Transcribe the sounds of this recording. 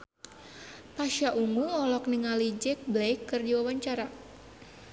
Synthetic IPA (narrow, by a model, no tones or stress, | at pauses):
p̪aʃaʔumuɔlɔkniŋalid͡ʒɛk̚blɛjkːɨrdiwawaɲt͡ʃaɾa